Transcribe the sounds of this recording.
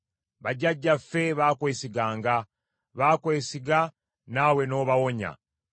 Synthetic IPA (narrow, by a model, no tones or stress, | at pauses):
βaɟaɟːafe̞βakwe̞ːsiɡaːŋɡa | βakwe̞ːsiɡa | nawe̞no̞βawo̞ɲa̰